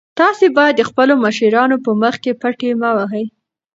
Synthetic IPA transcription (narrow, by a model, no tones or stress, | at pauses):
t̪ɑsebɑjad̪ːəxpəloməʃiɾɑnopəməxkepaʈemawaɦəj